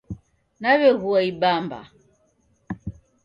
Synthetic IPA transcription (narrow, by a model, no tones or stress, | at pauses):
naβɛɣuaiɓamba̰